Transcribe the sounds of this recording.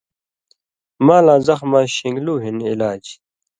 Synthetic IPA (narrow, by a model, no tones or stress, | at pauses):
mãːlãːzɐxmaːɕiŋɡluːɦinilaːd͡ʑ